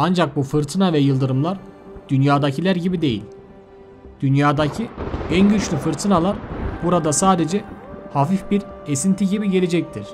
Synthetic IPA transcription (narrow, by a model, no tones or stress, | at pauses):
and͡ʒak̚bufɯɾt̪ʰɯnavɛjɯlˠd̪ɯɾɯmlˠaɾd̪̥ynjaːd̪acʰilʲæɾɟibid̪e̞jḭlʲ | d̪̥ynjaːd̪acʰiænɟyt͡ʃlʲyfɯɾt̪ʰɯnalˠaɾbuɾad̪asaːd̪e̞d͡ʒɛhafifbiɾesint̪ʰiɟibiɟe̞lʲe̞d͡ʒɛc̚t̪ʰiɾ̝̥